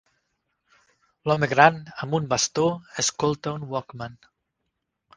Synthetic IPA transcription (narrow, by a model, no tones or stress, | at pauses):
lɔmeɣɾanəmbumbast̪oeskolˠt̪aunwɔkman